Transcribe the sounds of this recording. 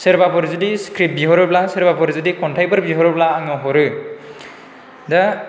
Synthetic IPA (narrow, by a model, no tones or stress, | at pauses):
seɾbapʰɔɾzɯdiskɾip̚biɦɔɾɯblaseɾbapʰɔɾzɯdikɔntʰajpɯɾbiɦɔɾɯblaːŋɯɦɔɾɯ | da